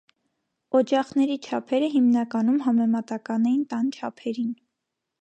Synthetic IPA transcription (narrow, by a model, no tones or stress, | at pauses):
ɔd͡ʒɑχnɛɾit͡ʃʰɑpʰɛɾəɦimnɑkɑnumɦɑmɛmɑt̪ɑkɑnɛjint̪ɑnt͡ʃʰɑpʰɛɾin